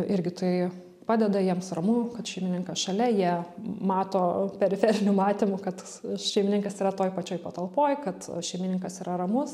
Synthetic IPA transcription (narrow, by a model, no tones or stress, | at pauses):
ɪɾʲɡʲɪt̪ɐɪ | pɑːd̪ʲɛd̪ɐjiɛmsrɐmuːkɐt̪ʃʲɛɪmʲɪnʲɪŋkɐsʃɐlʲɛjiɛmɑːt̪oːpʲɛɾʲɪfʲɛɾʲɪnʲʊmɑːt̪ʲɪmʊkɐt̪ | ʃʲɛɪmʲɪnʲɪŋkɐsiːɾɐt̪oːjpɐt͡ʃʲoːjpɐt̪ɐlˠpoːjkɐt̪ʃʲɛɪmʲɪnʲɪŋkɐsiːɾʔɐɾɐmʊs